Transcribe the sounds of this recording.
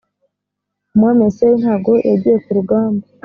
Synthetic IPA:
mwamesejinhaːɡoʔeɟiekuɾuɡaːmbo

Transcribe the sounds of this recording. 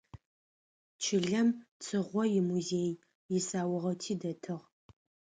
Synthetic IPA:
t͡ʃʰɪɮɐmt͡sʰʼɨʁʷɔjɪmuzeːj | jɪsaːwʊʁɐwtʰiːdɐtʰɨʁ

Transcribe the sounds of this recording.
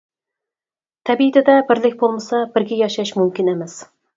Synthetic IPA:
t̪ʰɛbit̪ʰɪd̪ɛbɪɾlɪkʲbolˠmɨsɑbɪɾɡʲɛjɑʃɑʃmumkʲinemɛs

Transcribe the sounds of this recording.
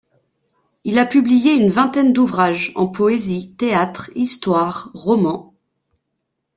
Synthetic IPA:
ilapyblijeynvɛ̃t̪ɛnd̪uvʁaʒɑ̰̃pɔezit̪eat̪χist̪waʁːɔmɑ̃

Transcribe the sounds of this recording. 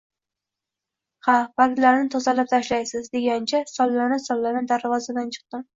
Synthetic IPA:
hab̥aɾɡʲlaɾnɪt̪ʰozalap̚t̪ʰaʃlajsɪzd̪e̞ɡʲant͡ʃʰasɒlːanɪsɒlˠːanɪd̪aɾvɒzad̪ant͡ʃʰɨ̥q̚t̪ɪm

